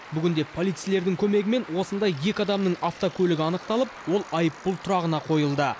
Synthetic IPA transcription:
bʏɡʲɪnd̪e̞pʰo̞lˠijt̪sijle̞ɾd̪ɪŋkʲʰɵme̞ɡʲɪme̞nwo̞sənd̪ɑjːe̞kʲɪɑd̪ɑmnəɴɑft̪okʲʰɵlɪɡʲɪɑnəq̚t̪ɑlˠəp̚wo̞lˠɑjəpːʊlˠt̪ʰʊɾɑʁənɑqʰo̞jəlˠd̪ə

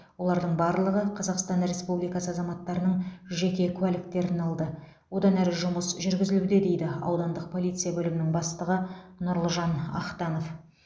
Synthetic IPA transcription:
wo̞lˠɑɾd̪əɴbɑɾlˠəʁəqʰɑzɑqst̪ɑnɾe̞spublijkɑsəɑzɑmɑt̪ːɑɾənəɴʒe̞kʲe̞kʲʰʉælɪk̚t̪e̞ɾɪnɑlˠd̪ə | wo̞d̪ɑnæɾɪʒʊməsʒʏɾɡʲɪzɪlud̪ed̪e̞jd̪ɪɑ̰wd̪ɑnd̪əq̚pʰo̞lˠijt̪sɨjabɵlɪmɪnɪŋbɑst̪əʁənʊɾlˠəʒɑnɑ̰qt̪ɑno̞f

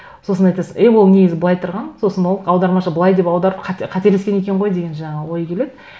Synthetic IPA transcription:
so̞sənɑjt̪ɑsəe̞wo̞lˠneɡʲɪzɪbəlˠɑjt̪ʰʊɾʁɑnso̞sənwo̞lˠɑwd̪ɑɾmɑʃəbəlˠɑjd̪e̞pɑwd̪ɑɾəpqʰɑqʰɑt̪eɾle̞skʲene̞kʲeɴʁojd̪e̞ɡʲe̞nʒɑɴɑwo̞jkʲʰe̞le̞d̪ɪ

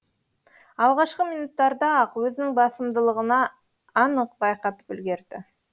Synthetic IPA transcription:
ɑlˠʁɑʃqəmijnut̪ːɑɾd̪ɑɑqwɵzɪnɪŋbɑsəmd̪əlˠəʁənɑː | nəqbɑjqɑt̪ə̥pʏlɡʲe̞ɾd̪̥ɪ̰

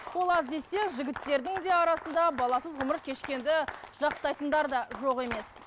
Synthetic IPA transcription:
wo̞lˠɑzd̪e̞se̞ŋʒɪɡʲɪt̪ːe̞ɾd̪ɪŋd̪e̞ɑɾɑsənd̪ɑbɑlˠɑsəzʁʊməɾkʲʰe̞ʃkʲe̞nd̪ɪʒ̥ɑq̚t̪ɑjt̪ənd̪ɑɾd̪ɑʒo̞ʁe̞me̞s

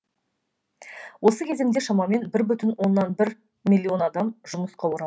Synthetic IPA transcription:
wo̞səkʲʰeze̞md̪eʃɑmɑme̞nbɪɾbʏt̪ɪnwo̞nːɑnbɪɾ | mʲilʲːio̞nɑd̪ɑmʒʊməsqɑwoɾɑ

